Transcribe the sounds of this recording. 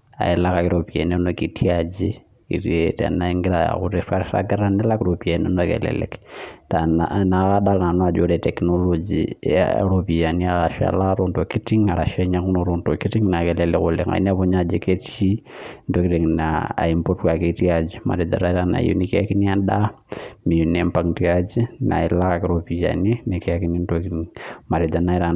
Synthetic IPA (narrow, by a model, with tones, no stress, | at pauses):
a̰˨ɛla˦ka˨kɪɾopiɛ̰˨nɛ˦noki˨tiad͡ʒi | i˨ɾetɛ̰na˦iŋɡɪ˦ɾaa̰kʊɾɛfaɾɾa̰ɡa˦ɾa˦nɛ˦la˦kɪɾopiɛnɛnokɛ̰lɛ̰lɛ̰ktanna˨kaɗala˨nɔ˦a˨d͡ʒoɾɛtɛknolod͡ʒḭa̰ɾopi˨ja˨niaɾaʃa̰la˦ɾondo˨ki˦ti˦ŋa˨ɾa˨ʃɛɲaku˦noɾontoki˦ti˦ŋna˨kɛlɛlɛkʊle˨ŋa̰ḭ˦n˦a˦βɔ˦ɲad͡ʒe˦ke˦ti˦ntoki˦ɾi˨ŋnaa̰˨impo˦tka˨keti˦ad͡ʒima̰˨ɾɪ˨da̰˨ɾa˦i˦ɾana̰˨jṵ˦ni˦ki˦a˦ki˦ni˦a˦ɗa˦ | mi˨ju˨nɛmpaŋtiad͡ʒi˦na̰˨i˨la˦kakɛ˨ɾopi˨ja̰ni˦ni˨ki˦a˦ki˦ni˦ntokiiŋma˨ɾɪ˨da˨na˦i˦ɾa˦